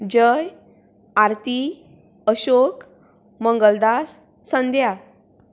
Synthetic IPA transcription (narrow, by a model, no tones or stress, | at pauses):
d͡ʑəj | aɾt̪i | əɕok | məŋɡəld̪asː | ənd̪ʱja